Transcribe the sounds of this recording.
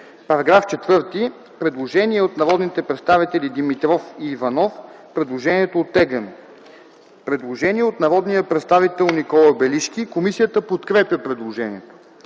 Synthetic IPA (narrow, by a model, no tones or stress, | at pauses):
pɐɾɐɡɾaft͡ʃɛt̪vɤɾt̪i | pɾɛd̪lˠoʒɛniɛot̪nɐɾɔd̪nit̪ɛpɾɛt̪st̪avit̪ɛlʲid̪imit̪ɾɔfiːvɐnɔfpɾɛd̪lˠoʒɛniɛt̪oːt̪ːɛɡən | pɾɛd̪lˠoʒɛniɛot̪nɐɾɔd̪nijəpɾɛt̪st̪avit̪ɛlˠnikɔlˠəbɛliʃk̪ʲikomisijət̪əpot̪kɾɛpjəpɾɛd̪lˠoʒɛniɛt̪o̥